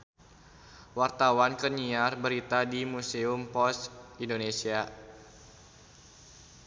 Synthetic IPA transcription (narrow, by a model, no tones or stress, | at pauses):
wart̪awankəɲiarbəɾit̪adimuseumpɔsindonesia